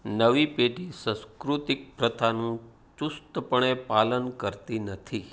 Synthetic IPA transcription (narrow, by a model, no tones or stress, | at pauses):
nəʋipeɖisə̃skɾut̪ɪk̚pɾət̪ʰanũ | t͡ʃust̪əpəɳ̃epalənkəɾt̪inət̪ʰi